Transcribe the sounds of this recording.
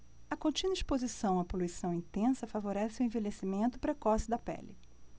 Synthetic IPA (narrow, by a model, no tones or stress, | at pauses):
ɐkõt͡ʃĩnɐispozisɐ̃w̃ɐpoluisɐ̃w̃ĩnt̪ẽsɐfavoɾɛsɪʊẽvelesimẽnt̪ʊ̥pɾekɔsɪd̪ɐpɛ̰lɪ